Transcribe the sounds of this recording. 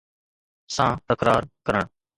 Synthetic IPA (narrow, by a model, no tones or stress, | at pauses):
sãːt̪əkɾaːɾkəɾəɳ